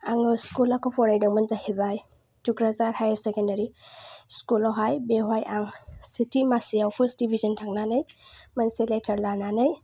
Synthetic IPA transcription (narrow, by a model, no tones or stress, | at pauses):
aŋɯskulakʰɔpʰɔɾajdawmɐnzahebaj | tukɾazaɾhajɾsekendɐɾiskulawɦajbeɦwajʔaŋsitʰimasijawpʰəɾsdibʱizɐntʰaŋnanɯjmɐnseletʰɐɾlananɯj